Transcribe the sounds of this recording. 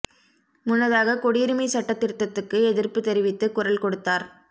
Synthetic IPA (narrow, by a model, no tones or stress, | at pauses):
mʊnːɐðaːɣɐkɔɽiːɾɯmɐɪsɐʈːɐt̪ːɪɾɯt̪ːɐt̪ːɯkːɯɛðɪrpɯt̪ɛɾɪʋɪt̪ːɯkʊrɐlkɔɽɯt̪ːaːɾ